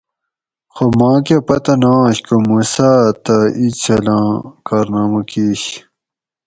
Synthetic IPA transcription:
xomãːkepɐt̪ɐnãːɕkomuːsaːt̪ɐit͡ɕʰɐlãːkaːɾnaːmɐkiɕ

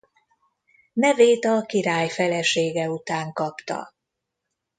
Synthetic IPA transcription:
nɛveːt̪ɒkiɾaːjfɛlɛʃeːɡɛut̪aːŋkɒpt̪ɒ̰

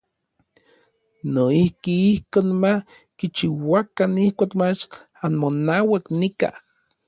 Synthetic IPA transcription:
noihkiihkoːnmah | kit͡ʃiwakanihkʷakmat͡ʃ | anmonawaknika̰

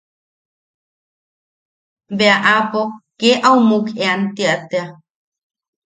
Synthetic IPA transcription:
beaʔapokeʔawmukeant̪iaʔt̪ea

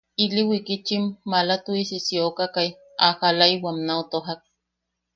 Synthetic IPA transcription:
iliwikit͡ʃimːalat̪uisisiokakaj | ahalaiwamnaot̪oɦak̚

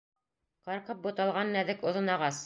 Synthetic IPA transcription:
qɑɾqɤp̚bŏt̪ɑlˠʁɑnːæðɘkŏðɤ̆nɑʁɑs

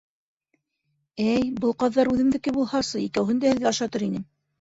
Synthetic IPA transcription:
æjbɤlˠqɑðːɑɾʉðɘ̆mðɘ̆kɘbulˠhɑsɤikæwɦɘnd̪æhɘ̆ðɡæɑʃɑt̪ɤɾinɘm

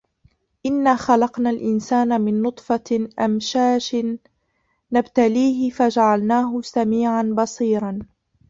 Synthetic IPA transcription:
ʔɪnːaːxalɑqnaːlʔɪnsaːnamɪnːʊt̪ˤfɑʔamʃaːʃɪː | abt̪aliːɦɪfad͡ʒaʕalnaːɦʊsamiːʕanbɑsˤiːɾˤɑn

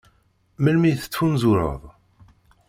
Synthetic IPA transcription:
məlmiθə̥t͡sːwunzuɾə̰ðˤ

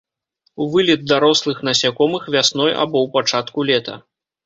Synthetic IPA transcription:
uvɨlʲid̪̚d̪aɾɔslˠɨxn̪ɐsʲakɔmɨxvʲasnɔja̰bɔwpat͡ʂat̪kulʲɛt̪ɐ̰

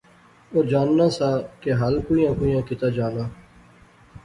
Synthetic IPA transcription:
oːd͡ʒaːnːãːsaːkeɦəlkuːijãːkuːjãːkɪt̪aːd͡ʒaːnaː

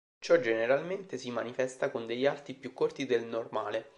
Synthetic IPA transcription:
t͡ʃɔd͡ʒeneɾalment̪esimanifɛst̪akond̪eʎːalt̪ipjukːort̪id̪elnormaːle

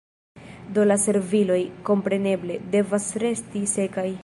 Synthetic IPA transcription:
do̞lase̞ɾvilo̞jko̞mpɾe̞ne̞ble̞de̞vasɾe̞stise̞kaj

